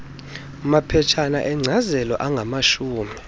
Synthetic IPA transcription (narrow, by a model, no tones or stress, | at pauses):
mapʰɛt͡ʃʰana̰ʔɛŋ͡ǀʱazɛlɔʔaŋɡʱamaʃuːmi